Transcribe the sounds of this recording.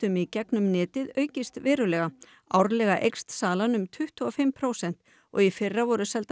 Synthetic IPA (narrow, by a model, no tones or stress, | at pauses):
t̪ʏmicɛknʏmnɪːt̪ɪðœːɥcɪst̪vɪːɾʏlɛɣa | awɾlɛɣaʔejkst̪saːlanʏmt̪ʰʏht̪uɔfɪmpʰɾoːwsɛn̥t̪ | ɔ̰ɣifɪrːavɔɾʏsɛlt̪